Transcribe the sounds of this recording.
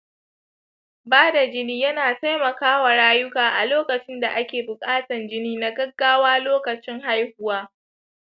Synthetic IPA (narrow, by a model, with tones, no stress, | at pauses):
baː˦da˨d͡ʒɪ˦niː˦jɐ˦naː˨ta˦jmɐ˨kaː˦wa˨ɽaː˦jʊ˦kaː˨ʔa˨loː˦kɐ˨t͡ʃɪ˦nda˨ʔa˦kʲeː˨bʊ˨kʼaː˦tɐ˨nd͡ʒɪ˦niː˦na˨ɡɐ˦ɡːaː˦waː˦loː˦kɐ˨t͡ʃɪ˦ŋɦa˦jhʊ˦waː˦